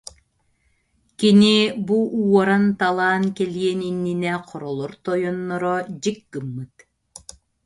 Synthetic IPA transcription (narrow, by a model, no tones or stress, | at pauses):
kinibuʔuɔɾant̪alˠaːnkɛliɛninːinɛqʰɔɾɔlˠɔɾt̪ɔjɔnːɔɾɔd͡ʑikːɯmːɯt̪